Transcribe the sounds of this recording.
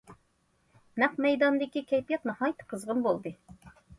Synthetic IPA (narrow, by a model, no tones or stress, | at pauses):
næqmɛjd̪ɑnd̪ɪkʲikʲʰɛjpijɛt̪̚nɨhɑjt̪ʰə̥qʰəzʁənbolˠd̪ɨ